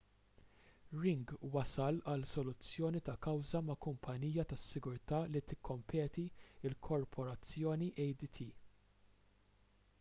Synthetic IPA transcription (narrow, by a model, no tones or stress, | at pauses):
ɾɪŋɡwɐsɐlɐlsɔlʊt͡sːjɔːnit̪ɐkɐwzɐmɐkʊmpʰɐniːjɐt̪ɐsːɪɡʊɾt̪ɐːlit̪ɪkʰːɔmpʰɛːt̪iɪlkʰɔɾpʰɔɾɐt͡sːjɔːniʔɛjd̪it̪ʰiː